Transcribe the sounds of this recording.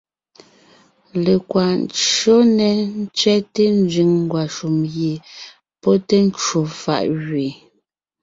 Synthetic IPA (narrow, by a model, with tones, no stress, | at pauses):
le˨kwa˨n˦˨t͡ʃo˦nɛ˨n̩˦t͡sɥɛ˦te˦n˦d͡ʒɥi˨ŋŋ˦ɡwa˨ʃu˨mɣje˨ | pɔ˦te˦n̩˦t͡ʃwo˨fa̰˦˨ʔɣɥe˨